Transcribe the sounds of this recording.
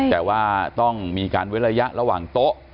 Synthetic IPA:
t̪ɛː˨˩waː˥˩t̪ɔ˥˩ŋmiː˧kaː˧nwt̚ɾa˧ja˦˥ʔɾa˧waː˨˩ŋt̪o˦˥ʔ

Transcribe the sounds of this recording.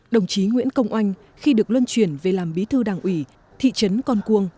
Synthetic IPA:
ɗə˨˩wŋ͡mt͡ɕi˨˦ŋwḭ˧˥ənkə˧wŋ͡mʔa˧jŋ̟ | xi˧ɗɨ˨˩ək̚lwə˧nt͡ɕwi˧˩ənve˨˩laː˨˩mɓi˨˦t̪ʰɨ˧ɗaː˨˩ŋʔwi˧˩ | t̪ʰḭ˧˨t͡ɕə˨˦nkɔ˧nku˧əŋ

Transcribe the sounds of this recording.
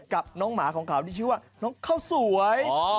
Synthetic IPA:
ka˨˩p̚nɔː˦˥ŋmaː˩˦kʰɔː˩˦ŋkʰaː˨˩˦wt̪iː˥˩t͡ɕʰɯ˦˥waː˥˩nɔː˦˥ŋkʰaː˥˩wsu˨˩˦əj

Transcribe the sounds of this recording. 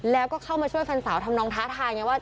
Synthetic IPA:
lɛː˦˥wkɔː˥˩kʰa˥˩wmaː˧t͡ɕʰu˥˩əjfa˧nsaː˩˦wt̪ʰa˧mnɔː˧ŋt̪ʰaː˦˥t̪ʰaː˧jŋɛː˧˩waː˥˩

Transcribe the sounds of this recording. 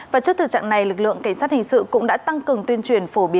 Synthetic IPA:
vaː˨˩t͡ɕɨ˦˥əkt̪ʰɨ˨˩t͡ɕa̰ː˧˨ŋna˨˩jlɨ˨˩k̚lɨ̰˧˨əŋka˧˩jŋ̟saː˦˥t̚hï˨˩ŋ̟sɨ̰˧˨kʊ̰˧˥ŋ͡mɗa̰ː˧˥t̪a˧ŋkɨ˨˩əŋt̪wi˧ənt͡ɕwi˧˩ənfo˧˩ɓi˨˦ə

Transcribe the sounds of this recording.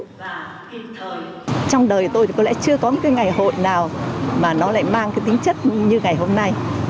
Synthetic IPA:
t͡ɕɔ˧wŋ͡mɗəː˨˩jt̪o˧jkɔ˨˦lɛ̰˧˥t͡ɕɨ˧əkɔ˨˦n˧˥kaː˨˦jŋa˨˩jho̰˧˨jnaː˨˩wmaː˨˩nɔ˨˦la̰ː˧˨jmaː˧ŋkaː˨˦t̪ï˨˦ŋ̟t͡ɕə˦˥t̚ɲɨ˧ŋa˨˩jɦo˧mna˧j

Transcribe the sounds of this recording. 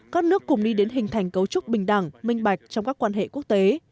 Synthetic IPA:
kaː˦˥k̚nɨ˦˥əkːʊ̰˧˩ŋ͡mɗi˧ɗe˨˦nɦï˨˩ŋ̟t̪ʰa˨˩jŋ̟kə˨˦wt͡ɕʊ˦˥k͡p̚ɓï˨˩ŋ̟ɗa̰˧˩ŋmï˧ŋ̟ɓa˨˩jk̟̚t͡ɕɔ˧wŋ͡mkaː˦˥kːwaː˧nɦḛ˧˨ku˦˥ək̚t̪e˨˦

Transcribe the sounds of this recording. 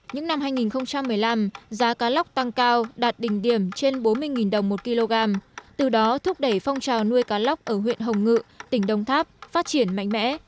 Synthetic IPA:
ɲɨ̰˧˥ŋna˧mhaː˧jŋi˨˩nxə˧wŋ͡mt͡ɕa˧mːɨ˨˩əjla˧mzaː˨˦kaː˨˦la˦˥k͡p̚t̪a˧ŋkaː˧wɗaː˨˩t̚ɗï˨˩ŋ̟ɗi˧˩əmt͡ɕe˧nɓo˨˦nmɨ˧əjŋi˨˩nɗə˨˩wŋ͡mmo˨˩t̚ki˧lo˧ɣaː˧mt̪ɨ˨˩ɗɔ˨˦t̪ʰʊ˦˥k͡p̚ɗə˧˩jfa˧wŋ͡mt͡ɕaː˨˩wnu˧əjkaː˨˦la˦˥wk͡p̚ʔəː˧˩ɦwḭ˧˨ənɦə˨˩wŋ͡mŋɨ̰˧˨t̪ï˧˩ŋ̟ɗə˧˩wŋ͡mt̪ʰaː˦˥p̚faː˦˥t̚t͡ɕi˧˩ənma̰˧˨jŋ̟mɛ̰˧˥

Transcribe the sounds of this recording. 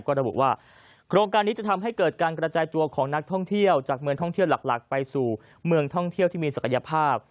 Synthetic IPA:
kɔː˥˩ɾa˧bṵ˨˩ʔwaː˥˩ | kʰɾoː˧ŋkaː˧nːi˦˥t͡ɕa˨˩t̪ʰa˧mɦa˥˩jkɤː˨˩t̪̚kaː˧nkɾa˧t͡ɕaː˧jt̪u˧ɐkʰɔː˩˦ŋna˦˥k̚t̪ʰɔ˥˩ŋt̪ʰi˥˩əwt͡ɕaː˨˩k̚mɯ˧əŋt̪ʰɔ˥˩ŋt̪ʰi˥˩wla˨˩k̚la̰˨˩k̚pa˧jsuː˨˩ | mɯ˧əŋt̪ʰɔ˥˩ŋt̪ʰi˥˩wt̪ʰiː˥˩miː˧sa˨˩kʰa˧ja˧pʰaː˥˩p̚

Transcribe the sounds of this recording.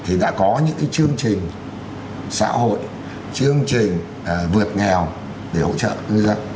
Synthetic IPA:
t̪ʰi˨˩ɗa̰ː˧˥kɔ˨˦ɲɨ̰˧˥ŋka˨˦jt͡ɕɨ˧əŋt͡ɕï˨˩ŋ̟ | sa̰ː˧˥ho̰˧˨j | t͡ɕɨ˧əŋt͡ɕï˨˩ŋ̟˨˩ | vɨ˨˩ət̚ŋɛ˨˩w | ɗe˧˩ho̰˧˥t͡ɕə̰ː˧˨˧zaː˧

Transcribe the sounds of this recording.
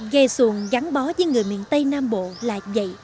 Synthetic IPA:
ɣə˧su˨˩əŋɣa˨˦ŋɓɔ˨˦vəː˨˦jŋɨ˨˩əjmḭ˧˨ənt̪ə˧jnaː˧mɓo̰˧˨la̰ː˨˩və̰˧˨j

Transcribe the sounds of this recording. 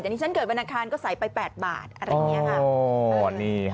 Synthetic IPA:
a˨˩niː˦˥t͡ɕa˥nkɤː˨˩t̚ɓa˧naː˧kʰaː˧nkɔː˥˩sa˩˦jpa˧jpɛː˨˩t̪̚ba̰ː˨˩t̪̚ʔɾa˧oː˧˦˧akʰa˦ | niː˧˩

